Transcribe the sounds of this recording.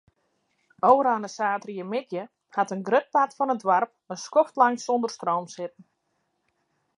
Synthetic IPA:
owəɾaːnəsaːtriəmɪtjə | hatənɡrøt̚patfɔnədwarp̚ənskɔftlaŋsondərstrowmsɪt̚ən̩

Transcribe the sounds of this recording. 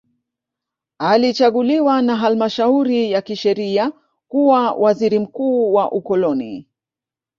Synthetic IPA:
alit͡ʃaɠuliwanaɦalmaʃauɾijakiʃɛɾia | kuwawʔaziɾim̩kuːwaʔukɔlɔnḭ

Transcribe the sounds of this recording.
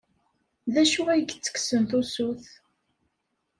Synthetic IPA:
ðæʃuæjɡt͡sːə̥ksənθusuθ

